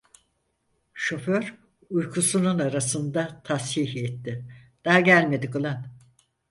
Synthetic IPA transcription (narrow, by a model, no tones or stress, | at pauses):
ʃo̞føɾ | ujkʰusununaɾasɯnd̪at̪ʰashihɛt̪ːɪd̪̥aɦaɟælʲme̞d̪ikɯlˠan